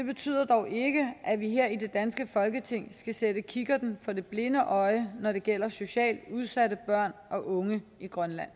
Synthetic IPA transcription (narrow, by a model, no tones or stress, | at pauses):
d̥e̝b̥e̝t͡sʰy̰ːð̰ˠɐd̥ɒʊʔe̝ɡ̥əʔæʋiɦeɐ̰ide̝d̥ænsɡ̥əfɒ̽lɡ̥ət͡sʰe̝ŋ̰sɡ̥æsed̥əkʰiɡ̥ɐd̥n̩fɒ̽de̝b̥le̝nəʔɒ̽ɪnɒɾe̝ɡ̥el̰ɐso̝ɕɛ̰ːld̥uð̞ˠsæɾəb̥ɶɐ̰nʔɒ̽ʔɔ̽ŋəiɡ̥ʁɶnlæn̰